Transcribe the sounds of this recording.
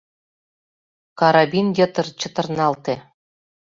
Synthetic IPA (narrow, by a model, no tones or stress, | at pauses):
kɑɾɑbʲinjʲɤ̆t̪ɤ̆rt͡ɕɤ̆t̪ɤ̆rnɑlt̪e